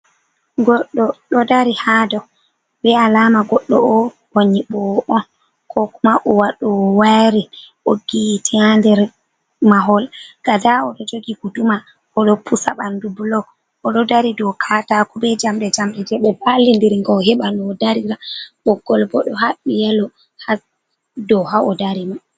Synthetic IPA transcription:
ɡɔɗːɔɗɔdaɾihadɔ | bɛalamaɡɔɗːɔɔ | hoɲiɓɔʔɔn | kʰɔkumaʔɔwaɗɔwaɾiʔoɡitʰɛandɛɾ | maɦɔlɡ̥adaɔɗɔd͡ʒoɡikuduma | ɔɗɔpʰusaɓandubulɔ | ʔɔɗɔdaɾidɔkʰatakɔbɛd͡ʒamɗɛd͡ʒamɗɛd͡ʒɛɓɛbalːindiɾiŋɡɔɦɛɓanɔdaɾiɾaɓɔɡ̥ɔlbɔɗɔhaɓijɛlɔ | ha | dɔɦaʔɔdaɾima

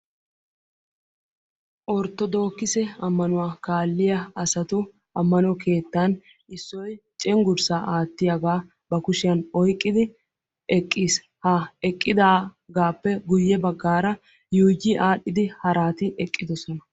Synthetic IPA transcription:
ʔɔɾt̪ːɔd̪o̞ːkːɪsɛɐmːɐnʊwaːkaːlːɪjɐɐsɐt̪ʊ | ɐmːɐnɔkʰe̞ːt̪ːan | ɪsːɔjt͡ʃʼɛŋɡʊɾsaʔaːt̪ːɪjaɡaː | bɐkʊʃɪjɐnɔjkʼːɪd̪ɪ | ʔɛkʼːiːs | hɐɛkʼːɪd̪aːɡaːpːɛɡʊjːɛbɐɡːaːɾɐ | juːɡɪʔaːɗːɪd̪ɪhɐɾaːt̪ɪʔɛkʼːɪd̪ɔsɔnɐ

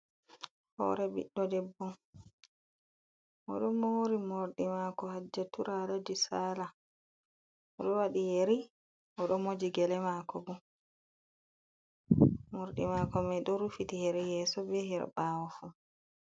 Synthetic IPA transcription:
hɔ̰ɾɛbḭɗːɔdɛbːɔn | ʔɔ̰ɗɔmoɾimoɾɗimakɔhad͡ʒːatuɾalad͡ʒisaːla | ɔɗɔwaɗijeɾi | ʔɔɗɔmod͡ʒiɡɛlɛmakɔbu | moɾɗḭmaːkɔmɛɗɔɾufitihɛɾɛjɛːsɔbɛɦɛɾ̰bawɔfu

